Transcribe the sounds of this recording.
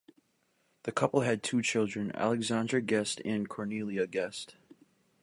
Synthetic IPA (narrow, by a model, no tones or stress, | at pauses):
ðɨkʰʌpl̩ˠɨd̚tʰʉt͡ʃʰɪlˠdɹɨ̃næ̰lˠɨɡzæ̃ndɹəɡɛstɨ̃nkʰɔɹnilˠiɨɡɛst